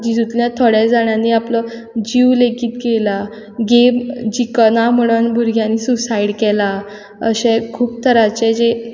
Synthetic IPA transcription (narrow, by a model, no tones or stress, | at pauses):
d͡ʑid͡zut̪ljãt̪ʰoɽɛd͡zaɳjaniaplɔ | d͡ʑiwlekiːt̪kela | ɡemd͡ʑikənam̤əɽ̃ənbʱuɾɡjãniːsusaiɽkɛla | ə̰ɕekʰuːp̚t̪ʰəɾat͡ɕɛd͡ʑe